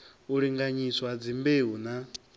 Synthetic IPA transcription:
uɺiŋɡaɲiswad͡zimbeɦuna

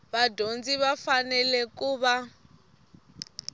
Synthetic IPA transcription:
βadʱond͡ziβafanɛlɛkuːβa

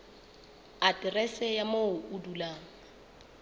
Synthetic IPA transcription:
atʼɪrɛsɛjamoʔudulaːŋ | a

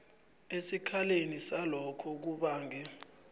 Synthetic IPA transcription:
esikʰalenisalɔkʰɔk̬uɓaːŋɛ

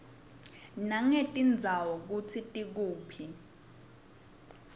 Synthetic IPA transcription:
naŋetʼind͡zʱawɔk̬ut͡sʰitʼik̬uːpʰi

